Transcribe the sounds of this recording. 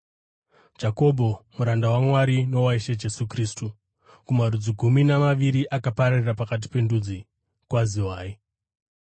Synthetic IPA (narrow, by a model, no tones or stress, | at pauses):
d͡ʒako̞bʱo̞muɾandawamwaɾino̞waiʃed͡ʒe̞sukriːstu | kumaɾud͡ziɡʱuminamaʋiɾiʔakapaɾarirapakat̬i̥pe̞ndud͡zi | kwaziwaːi